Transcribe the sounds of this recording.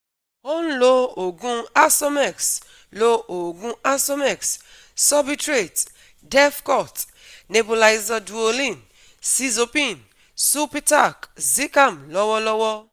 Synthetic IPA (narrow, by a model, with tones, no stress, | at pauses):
ɔ̃˦n˦lo˦o˨ɡũ˦a˦so˦mɛ˦˨ks | lo˦o˨ɡũ˦a˦so˦mɛ˨ks | sɔ˦bi˦tɾe˨t | dɛ˦fkɔ˦˨t | ne˨bo˨la˨jza˧du˨o˧lĩ˦˨n | si˦zo˧pĩ˦˨n | su˦pi˦ta˦˨kzi˦ka˦˨mlɔ˦wɔ˦lɔ˦wɔ˦